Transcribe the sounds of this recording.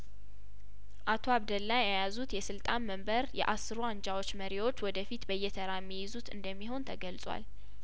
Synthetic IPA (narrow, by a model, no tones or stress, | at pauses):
ʔat̪ʰo̞aβd̪əlːajajazut̪jɛsɨlt̪ʼanməmbəɾjɛ̰ʔasːɨɾoand͡ʒawo̞t͡ʃːməɾiwot͡ʃːwɔd̪əfit̪bəjːɛt̪ʰəɾamːijɪzut̪ɨ̰nd̪əmːiɦo̞nt̪ʰəɡəlt͡sʼwa̰l